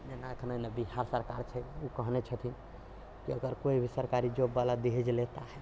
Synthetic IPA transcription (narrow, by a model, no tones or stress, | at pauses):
d͡ʒenaəkʰnənebiɦaɾsəɾkaɾt͡ʃʰɛukəɦnet͡ʃʰət̪ʰin | kiəɡəɾkoibʱisəɾkaɾid͡ʒobːalad̪eɦed͡ʒlet̪aɦɛ